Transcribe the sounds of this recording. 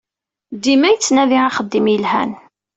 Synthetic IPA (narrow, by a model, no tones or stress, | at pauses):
d̪imæjt͡sːnæviaχəd̪ːimjəlhæ̰n